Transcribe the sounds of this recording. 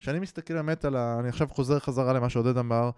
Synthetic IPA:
ʃeanimist̪akelbemetalaːniaχʃavχo̞ze̞ʁχazaʁalemaʃeoded̪amaʁ

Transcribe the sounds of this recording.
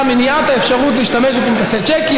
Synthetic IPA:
meniat̪haefʃaʁutliːʃtameʃbepinkaset͡ʃekj

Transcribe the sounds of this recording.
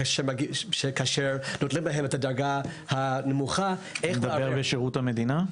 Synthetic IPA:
ʃemaɡiʃekaːʃeʁnotlimbaɦemethadɐɾɡa | hanemuχaʔeed̪aeʁbeʃeʁuthamed̪ina

